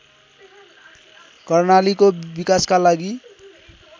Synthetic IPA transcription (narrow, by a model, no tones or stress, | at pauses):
kʌrnalikobikaskalaɡi